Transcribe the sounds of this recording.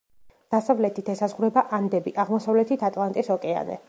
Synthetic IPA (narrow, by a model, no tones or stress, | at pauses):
d̪̥asavlɛt̪ʰit̪ʰɛsazʁuɾɛbaʔand̪ɛbiʔaʁmɔsavlɛt̪ʰit̪ʰat̪ʼlˠant̪ʼisɔkʼɛa̰nɛ̰